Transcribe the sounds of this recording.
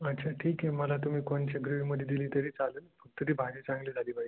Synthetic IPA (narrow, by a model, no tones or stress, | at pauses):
ətːt͡ɕʰaʈʰiːkɦeməlat̪um̤iːkoɳt͡ɕaɡɾuʋiməd̪ʱjed̪iliːt̪əɾiːt͡saləːnfək̚t̪əɾiːbʱad͡ʑiːt͡sãŋɡliːd͡zʱaliːpai